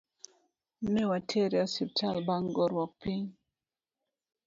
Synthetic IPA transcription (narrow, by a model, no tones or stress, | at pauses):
nɛwatʰeɾjɔsip̚talbaŋɡɔɾwɔk̚piɲ